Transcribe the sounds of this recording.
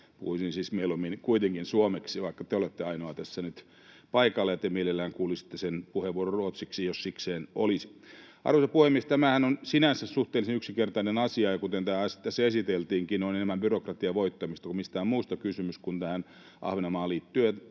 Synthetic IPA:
pṵhuisinsiːsmeilomːinkuit̪eŋkinsuomeksiʋɑikːɑt̪eolet̪ːeɑinoɑt̪æsːænyt̪ | pɑikɑlːejɑt̪emielelːæːŋkuːlisi̥t̪ːesenpuheʋʋuororruot̪siksijossikseːnolis | ɑ̰rʋosɑpuhemːiest̪æmæhænonsinænsæsuht̪eːlisenyksikert̪ɑinenɑsiɑjɑkut̪ent̪æːɑsi̥t̪ːæsːæesit̪elt̪iːŋkinoinenemːæmbyrokrɑt̪iɑʋoit̪ːɑmist̪ɑkumist̪æːomuːst̪ɑkysymyskunt̪æhæn | ʔɑ̰hʋenɑmɑːliːt̪ːyøjɑ

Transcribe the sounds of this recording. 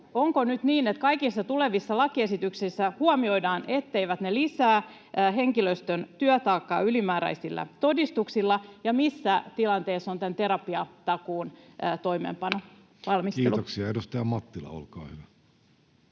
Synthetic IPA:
oŋkonyt̪niːnet̪kɑikisːɑt̪uleʋisːɑlɑkiesit̪yksisːæhuɑmio̞jdɑːnʔet̪ːe̞iʋæt̪nelisæː | ɦe̞ŋkiløst̪ønt̪yœt̪ɑːkːɑ̰ːylimæːɾæ̰isilːæ̰t̪o̞dist̪uksilːɑjɑmisːæt̪ilɑnt̪eːsːont̪ænt̪eɾɑpiɑt̪ɑkuːnːt̪o̞imḛːmpɑno | ʋɑlmistk̪iːeloksiɑedust̪ɑjɑmɑt̪ːilɑ̰o̰lkɑ̰ːhyʋæ

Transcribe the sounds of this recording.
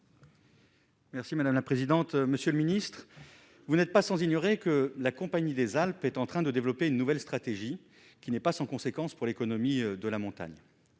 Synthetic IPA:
mɛʁsimad̪amlapχezid̪ɑ̃t̪məsjøləminist̪χ | vunɛt̪̚pasɑ̃ziɲɔʁekəlakɔ̃paɲid̪ezalpɛt̪ɑ̃t̪χɛ̃d̪əd̪evlɔpeynːuvɛlst̪χat̪eʒi | kʲinɛpasɑ̃kɔ̃sekɑ̃spuʁlekɔnɔmid̪əlamɔ̃t̪a̰ɲ

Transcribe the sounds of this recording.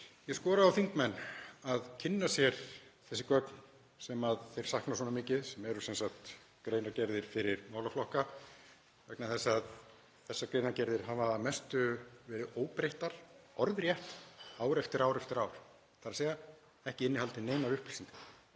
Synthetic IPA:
jɛskɔːɾaðawθiŋkmɛnːaðcʰɪnːasjɛɾ̥θɛsɪ̥kœkn | sɛmaðθejɾ̥sahknas̬ɔnamɪːcɪðsɛmɛɾʏsɛnsaht̪ | kɾeːjnacɛɾðɪɾ̥fɪɾɪɾmaːwlaflɔhka | vɛknaθɛsːað | θɛsːakɾeːjnaɾcɛɾðɪɾ̥ɦavamɛst̪ʏvɛːɾɪðoːwpɾejht̪aɾ̥ɔɾðɾjɛht̪aːwɾɛft̪ɪɾaːwɾɛft̪ɪɾaːwɾ̥ | θaɾaseːja | ɛhcɪɪnːɪhalt̪ɪneːjnaɾʏhpl̥siŋt̪a

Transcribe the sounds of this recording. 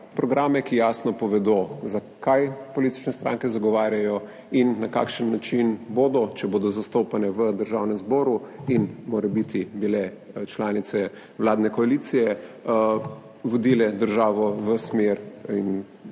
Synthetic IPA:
pɾɔɡɾaːmɛkijaːsnɔpɔʋɛd̪ozakajpɔlit̪i̥t͡ʃnɛst̪ɾʔa̰ŋkɛzaɡɔʋaːɾjajɔ | inːaka̰ːkʃənːat͡ʃinboːd̪ɔt͡ʃɛboːd̪ɔzast̪oːpanɛʋəd̪əɾʒaːwnɛmzboːɾuinmoːɾɛbit̪ibilɛ | t͡ʃlaːnit̪sɛ | ʋlaːd̪nɛkɔalit̪sijɛ | ʋɔd̪iːlɛd̪əɾʒaːʋɔʋəsmeɾin

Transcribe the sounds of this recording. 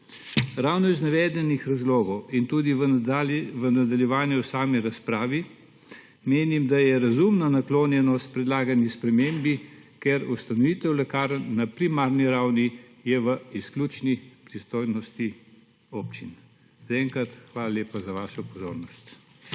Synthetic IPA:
ɾawnɔiznɛʋɛːd̪ɛnixɾazloːɡɔwint̪uːd̪i | ʋənad̪aljɛʋaːnjɛwsaːmiɾaspɾaːʋi | meːnimd̪ajɛɾazumnanakloːnjɛnɔst̪pɾɛd̪laːɡanispɾɛmeːmbikeɾust̪anɔʋiːt̪ɛwlɛkaːɾnapɾimaːɾniɾawni | jɛʋəisklʲuːt͡ʃnipɾist̪oːjnɔst̪i | oːpt͡ʃin | z̥aɛŋkɾat̪xʋaːlaleːpazaʋaːʃɔpɔzo̰ːɾnɔst̪

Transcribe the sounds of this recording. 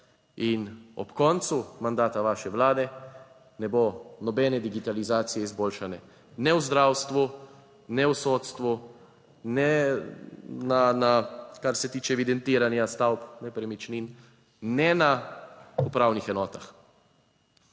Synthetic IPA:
inɔ̰pkɔːnt̪sumand̪aːt̪aʋaːʃɛʋlaːd̪ɛ | nɛbonɔbɛːnɛd̪iɡit̪alizaːt̪sijɛizboːlʃanɛ | nɛwzd̪ɾaːwst̪ʋu | nɛwsoːt̪st̪ʋu | nɛ | nanakaɾsɛt̪iːt͡ʃɛːʋid̪ɛnt̪iːɾanjast̪awpnɛpɾɛmit͡ʃnin | nɛna | upɾaːwnixɛnɔːt̪ax

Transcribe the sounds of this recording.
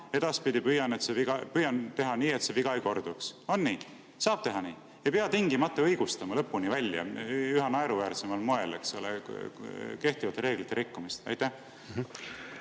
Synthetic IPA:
e̞d̪̥ɑspid̪ipyjɑnet̪seviɡɑpyjɑnt̪e̞ɦɑniːe̞t̪se̞viɡ̥ɑjko̞rd̪̥ukso̞nːiː | sɑːb̥t̪e̞ɦɑniː | ejpeɑt̪iŋɡ̥imɑt̪ːˑeɤjɡ̥ust̪ɑmɑlɤpːunivælʲjɑ̰yɦɑnɑeɾuvæːrt̪se̞mɑlmoe̞lḛksolḛ | ke̞ht̪ivɑt̪ːˑɾe̞ːɡ̥lit̪ːˑeɾikːumist̪ɑ̰jt̪ːæh

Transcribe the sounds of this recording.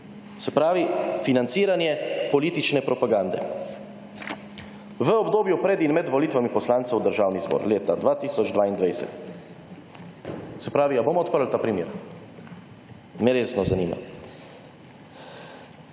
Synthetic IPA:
sɛpɾaːʋifinant̪siːɾanjɛpɔliːt̪it͡ʃnɛpɾɔpaɡaːnd̪ɛ̰ | ʋəɔbd̪oːbjupɾɛd̪inmɛd̪ʋɔliːt̪ʋamipɔslaːnt̪sɛwd̪əɾʒaːwnizbɔ̰ɾleːt̪ad̪ʋaːt̪iːsɔd͡ʒd̪ʋaːind̪ʋajsɛ̰t̪ | sɛpɾaːʋiaboːmɔt̪̚pəɾl̩t̪aːpɾimjḛːɾ | mɛɾeːsnɔzaniːma̰

